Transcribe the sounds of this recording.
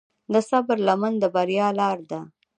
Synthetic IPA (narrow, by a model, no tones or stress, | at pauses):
d̪əsabəɾlamənd̪əbaɾjɑlɑɾd̪a